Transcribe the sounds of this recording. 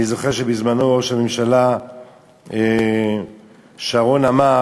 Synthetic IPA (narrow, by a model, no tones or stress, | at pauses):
izoχeʁʃebizmano̞oʃamemʃala | e | ʃaʁo̞nama